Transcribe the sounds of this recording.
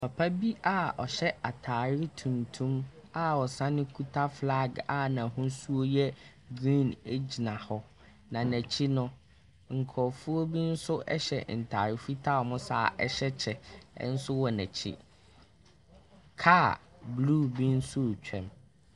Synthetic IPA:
pʰa˨pʰa˦bi˦ʔa˦ɔ̰˨ɕɛ˦ʔa˨tʰaː˨ɾɪ˦tʰũ˨ntʰũ˦m | a˨ɔ˨sã˦nɪ̃˦kʰu˦tʰa˦fla˦˨ɡa˨nã˨ɦʊ̃˦n˦su˦o˦jɛ˦ | ɡɾĩ˦˨ne˦d͡ʑi˨nã˨hɔ˦ | nã˨næ̃˨t͡ɕʰi˦nʊ̃˦ | ŋ̩˨kʰɔ˨fu˦o˦bi˦n̩˦sʊ˦ʔɛ˦ɕɛ̰˨n̩˨tʰa˨ɾɪ˦fi˦tʰa˦ɔ˨mʊ̃˦sa˦˨ʔɛ̰˦ɕɛ˦t͡ɕʰɛ̰˨˦n̩˦sʊ˦wɔ˨næ˨t͡ɕʰḭ˦ | kʰa˦ | bluː˦˨bĩ˦n̩˦sʊ˦˨t͡ɕᶣʰɛ̰̃˨m

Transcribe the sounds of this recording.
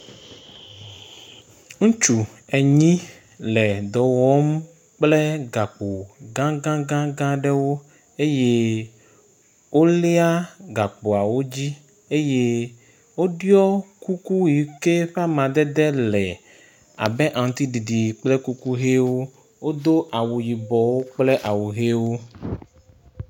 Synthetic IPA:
ŋ̩̃˦t͡ʃu˨ɛ˨ɲĩ˦ | lɛ˨d̪ɔ˨wɔ˦m | k͡plɛ˦ɡa˨k͡po˨ɡã˦ɡã˦ɡã˦ɡã˦ɖɛ˦wo˦ | e˦je˦ | wo˦le˦a˦ɡa˨k͡po˨a˨wo˦d͡ʑi˦ | e˦je˦ | wo˦ɖjɔ˦ku˦ku˦ji˨ke˦ɸa˦mã˨d̪ɛ˦d̪ɛ˦lɛ˨ | a̰˨bɛ˦ʔã˨ŋ˨t̪i˦ɖi˨ɖi˨k͡plɛ˦ku˦ku˦ɦe˦wo˦ | wo˦d̪o˦ʔa˨wu˨ji˨bɔ˨wo˦k͡plɛ˦ʔa˨wu˨ɦe˦wo˦

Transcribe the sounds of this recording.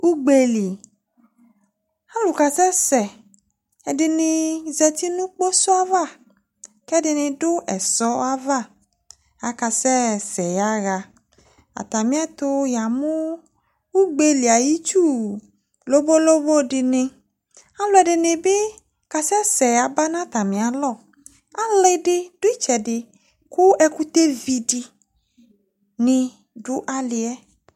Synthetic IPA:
u˦ɡ͡be˨li˨ | ã˦lu˨ka˨sɛ˦sɛ˨ | ɛ˨ɖe˨nɪ̃˨zɛ˨t̪i˦nũ˦k͡po˦sɔ˦a˦va˦˨ | kɛ˦ɖɪ˨nɪ̃˨ɖʊ˦ʔɛ˨sɔ˦a˦va˦˨ | a˨ka˨sɛ˦sɛ˨ja˦ɣa˨ | a̰˨t̪a˨mĩ˦a˦t̪o˦ja˨mõ˦ | wu˦ɡ͡be˦li˨a˨ji˦t͡ʃu˦˨ | lo˦bo˦lo˦bo˦ɖɪ˨nɪ̃˨ | a˦lo˦ɛ˨ɖɪ˨nɪ̃˨be˦ | ka˨sɛ˦sɛ˨ja˨ba˦nã˦t̪a˨mĩ˨a˨lɔ˦˨ | a˦le˦ɖɪ˦d̥ʊ˦i˦t͡ʃɛ˨ɖɪ˨ | ku˦ɛ˦ku˦t̪e˦vi˨ɖɪ˨ | nɪ̃˨ | ɖʊ˦ʔa˦lɪ˨ɛ˦

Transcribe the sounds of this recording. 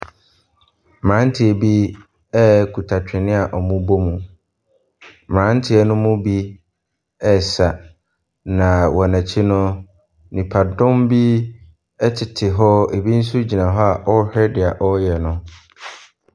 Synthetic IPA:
mãː˨˦n˦tʰɪ˨e˨bi˦ | ɛ˦kʰu˨tʰa˨t͡ɕᶣɪ˨nɪ̃˦a˨ʔɔ˨mũ˦bo˦mũ˨ | mãː˨˦n̩˦tʰɪ˨˦ɛ˦nʊ̃˦mʊ̃˦bi˦ | ɛ˨sa˨ | nã˨wɔ˨næ̃˨t͡ɕʰi˦nʊ̃˦ | nĩ˨pʰa˨dʊ̃˦mbi˦ | ɛ˦tʰɪ˨tʰɪ˨ɦɔ˦e˨bi˦n̩˦su˦d͡ʑi˨nã˨ɦɔ˦a˨ʔɔ˦hᶣɛ˦dɪ˨a˨ʔɔ˦jɛ˨nʊ̃˦

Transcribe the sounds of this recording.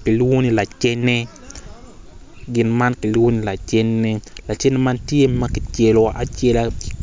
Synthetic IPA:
ki˨lwo˦ni˨la˨t͡ʃɛ˦nːe˦ | ɡɪ˨nma˦nki˨lwo˦ni˨la˨t͡ʃe˦nːe˦la˨t͡ʃɛ˦ne˦ma˦ntje˦mɐ˦ki˨t͡ʃe˨lo˨ʔa˨t͡ʃje˦la

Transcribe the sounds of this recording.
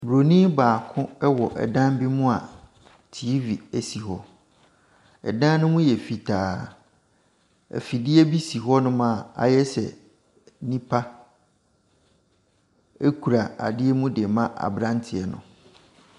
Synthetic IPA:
bɾo˨nĩ˦baː˨kʰʊ̃˦ɛ˦wɔ˨ʔɛ̰˨dã˦m˦bi˦mʊ̃˦a˨ | tʰi˨˦vi˨æ˨si˨hɔ˦ | ɛ̰˨dã˦nʊ̃˦mũ˦jɛ˨fi˨tʰaː˨ | æ̰˨fi˨dɪ˦e˦bi˦si˨ɦɔ˦nʊ̃˦mã˦˨a̰˨jɛ˦sɛ̰˨ | nĩ˦pʰa˦ | e˦kʰu˨ɾa˨a̰˨dɪ˦ɛ˦mũ˦de˨mã˦ʔa̰˨bɾã˦ntʰɪ˨ɛ˨nʊ̰̃˨

